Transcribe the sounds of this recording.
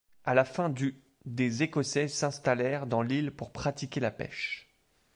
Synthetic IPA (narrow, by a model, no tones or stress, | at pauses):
alafɛ̃d̪y | d̪ezekɔsɛsɛ̃st̪alɛʁd̪ɑ̃lilpuʁpχat̪ikʲelapɛ̰ʃ